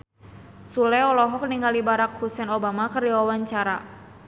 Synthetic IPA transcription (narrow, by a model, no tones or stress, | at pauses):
sulɛɔlɔɦɔk̚niŋɡalibaɾak̚husɛnobamakərdiwawaɲt͡ʃaɾa